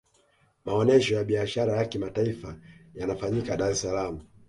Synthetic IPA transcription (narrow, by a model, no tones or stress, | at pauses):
maɔnɛʃɔjaɓiaʃaɾajakimataifajanafaɲikaɗaɾɛsalamu